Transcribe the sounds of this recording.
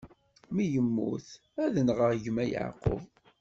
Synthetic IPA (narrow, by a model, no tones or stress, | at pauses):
mijəmːṵθ | æðənʁəʁʝəmæjə̰ʕqə̰v